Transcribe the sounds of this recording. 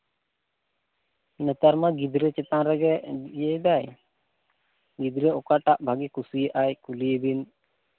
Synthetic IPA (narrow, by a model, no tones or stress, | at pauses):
nət̪aɾmaɡid̪ɾet͡ʃɛt̪anɾɛɡɛjejd̪aj | ɡid̪ɾeɔkaʈaʔbʱaɡikusujeʔajkuliebin